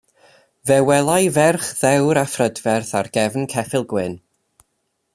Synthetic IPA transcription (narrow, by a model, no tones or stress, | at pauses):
vɛwɛlˠajvɛrχðɛwɾafrədvɛrθarɡ̥ɛvnkʰɛfɪlˠɡwɪn